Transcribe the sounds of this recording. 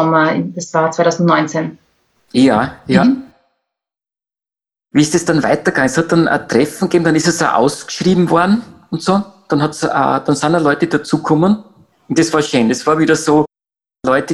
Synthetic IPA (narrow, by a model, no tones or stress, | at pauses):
ɔmɐɪdɐsvaːt͡saɪtʰaʊzn̩tnɔ̃ʏ̃nt͡sen | jaːja | viːɪsd̥esd̥anvaɪtɐɡ̥aŋəshɑt̚d̥anɐ̰t̪ʁ̥ɛfn̩ɡ̥eːbm̩dɑnɪstesja̰ʔa̰ʊsɡ̥ʃʁiːbm̩vɔɐdn̩ʊntsoːd̥ɑnhɑtsa̰ːd̥ɑnsaːnalɔʏtəd̥at͡suːkʰɔmən | ʊntd̥esvaːɐʃøːndɛsv̥aːɐviːdɐsoː | lɔʏtə